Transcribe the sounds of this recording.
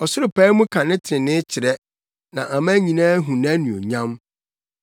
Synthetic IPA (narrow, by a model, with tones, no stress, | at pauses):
ɔ˨sʊ˦ɾʊ˨pɛ˦mũ˦kʰã˨nɪ̃˦tʰɪɪ̃˨nɪ̃˦t͡ɕʰɪ˨ɾɛ˦ | nã˨ʔa˨mã˦ɲĩ˨nãː˦ɦũ˨nã˦nũ˨o̰˨ɲã˦m